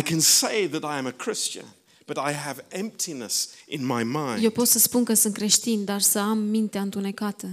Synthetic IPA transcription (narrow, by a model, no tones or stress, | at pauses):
ɪkʰɨ̃nseɪðɨɾaɪɨ̃mɨkʰɹ̥ɪst͡ʃɨ̰̃n | b̥ʌɾaɪɨvɛ̃mp̚tʰinəsʔɨ̃nmaɪmãɪ̃je̞wpo̞t̪səspunkəsɨnt̪kɾe̞ʃt̪ind̪arsəamːint̪eaɨnt̪une̞kat̪ə